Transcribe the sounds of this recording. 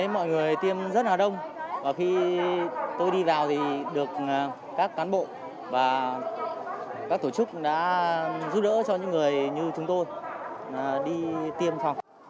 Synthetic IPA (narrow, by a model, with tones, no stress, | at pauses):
e˨˦mɔ̰˧˨jŋɨ˨˩əjt̪i˧əmzə˦˥t̚laː˨˩ɗə˧wŋ͡mvaː˨˩xi˧ | t̪o˧jɗi˧vaː˨˩wt̪ʰi˨˩ɗɨ˨˩ək̚ː | kaː˦˥kːaː˨˦nɓo̰˧˨ | vaː˨˩ | kaː˦˥k̚t̪o˧˩t͡ɕɨ˦˥k̚ɗa̰ː˧˥zu˦˥p̚ɗə̰ː˧˥t͡ɕɔ˧ɲɨ̰˧˥ŋːɨ˨˩əjɲɨ˧t͡ɕʊ˨˦ŋ͡mt̪o˧j | ɗi˧t̪i˧əmsa˧w